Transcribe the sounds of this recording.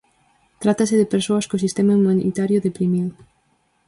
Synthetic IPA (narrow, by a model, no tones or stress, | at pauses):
t̪ɾat̪asɪðɪpeɾsoɐskosist̪emaumanḭt̪aɾjʊðepɾimiw